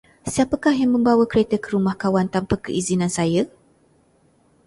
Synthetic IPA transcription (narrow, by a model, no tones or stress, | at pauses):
siapakahjaŋmə̃mbawakəɾet̪əkəɾumahkawant̪ampakəʔizinãnsajə